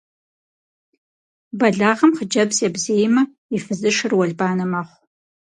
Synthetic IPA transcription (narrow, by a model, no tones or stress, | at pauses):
bɐɮaːʁɐmχəd͡ʒɐbzabzejmɐ | ifɨzɨʂɨrwɐɮbaːnɐmaχʷ